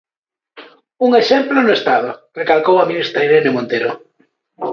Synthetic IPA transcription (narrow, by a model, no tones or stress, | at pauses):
uŋeʃemplʊnʊest̪að̞ʊrekalkowaminist̪ɾaiɾenɪmõnt̪eɾʊ